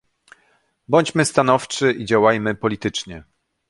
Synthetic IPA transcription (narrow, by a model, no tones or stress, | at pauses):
bɔɲd͡ʑmɘst̪an̪ɔft͡ʂɘʔid͡ʑawajmɘpɔlʲit̪ɘt͡ʂɲɛ